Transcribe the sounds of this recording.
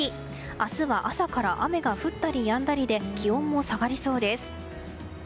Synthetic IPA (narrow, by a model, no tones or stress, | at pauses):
i | asɨβaʔasakaɾaʔame̞ɡaɸɯ̟t̪ːaɾʲijãnd̪aɾʲid̪e̞kʲiõ̞mːo̞saɡaɾʲiso̞ːd̪e̞sɨ̥